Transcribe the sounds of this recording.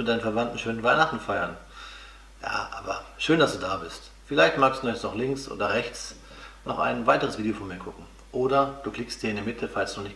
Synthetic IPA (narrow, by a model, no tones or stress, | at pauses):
mɪt̚daɪnən̩fɛɐvantn̩ʃøːnənvaɪnaχtn̩faɪɐn | ja̰ːʔa̰ːbɐʃøːnd̥asd̥uːdaːbɪst | fɪlaɪçtmaːkstd̥unɔsnɔχlɪŋksʔo̰ːdɐʁɛçt͡s | nɔχʔa̰ɪnvaɪtəʁəsviːdiofɔnmiːɐkʰʊkŋ̩ | ʔoːdɐd̥uːkl̥ɪkstd̥iːɐɪndɛɐmɪtʰəfalsd̥unɔχnɪçt